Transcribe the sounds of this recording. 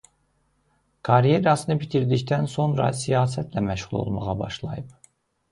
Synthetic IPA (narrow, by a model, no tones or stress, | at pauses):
kʰɑɾijeɾɑsɯnɯbit̪ʰiɾd̪içt̪ʰænso̞nɾɑ̰sijɑːsæt̪ʰlæmæʃʁulˠo̰lˠmɑʁɑbɑʃlˠɑ̰jɯp̚